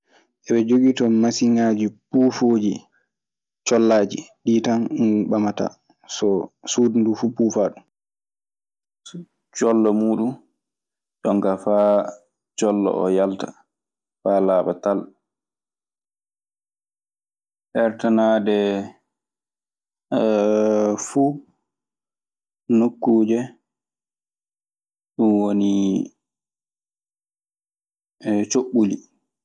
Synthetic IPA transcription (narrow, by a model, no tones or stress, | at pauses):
ʔɛɓɛd͡ʒoɡitɔmasiŋad͡ʒipuːfod͡ʒḭ | t͡ʃɔlːaːd͡ʒḭɗitanunɓamata̰ | sɔsudndufupuːfaːɗum | t͡ʃɔlːɔmuːɗum | ɗɔŋɡafaː | d͡ʒɔlːɔ̰ʔɔjaltḁ̰ | faːlaːɓatal | ʔɛɾtanaːdɛ | fu | nokːuːd͡ʒɛ | ɗunwoni | t͡ʃoɓːuli